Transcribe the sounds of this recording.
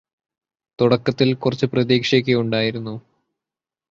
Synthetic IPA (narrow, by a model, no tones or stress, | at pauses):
t̪uɽɐkːɐt̪ːilkurɐt͡ɕːɨprɐðiːkʂek̬ʲːeuɳɖaːjiɾunːu